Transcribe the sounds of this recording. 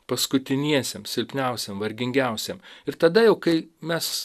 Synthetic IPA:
pɐskʊt̪ʲɪnʲiɛsʲɛmsʲɪlʲpʲnʲɛˑʊsʲɛmʋɐɾʲɡʲɪŋʲɡʲɛˑʊsʲɛmɪɾt̪ɐd̪ɐjɛʊkɐɪmʲɛs

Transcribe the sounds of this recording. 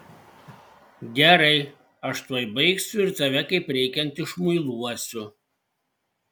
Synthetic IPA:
ɡʲɛɾɐɪ | ɐʃt̪uɔjbɐɪksʲʊɪɾt̪ɐʋʲɛkɐɪpɾʲɛɪkʲɛnt̪ɪʃmʊɪlˠuɔsʲʊ

